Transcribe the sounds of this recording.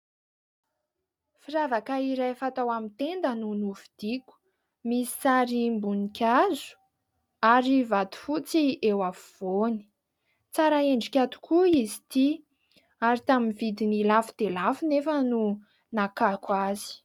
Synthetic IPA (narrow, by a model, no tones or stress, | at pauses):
fiɾavakaiɾajfat̪awamint̪end̪ənunuvid̪̥ikʲu̥ | misi̥saɾimbunikʲazu̥ | aɾivad̪u̥fut͡siewafuv̥oni̥ | t͡saɾaeɳɖ͡ʐikʲat̪u̥kʰuizi̥t̪i | aɾit̪aminvid̪inilafu̥d̪̥elafunefənu | nakakwazi̥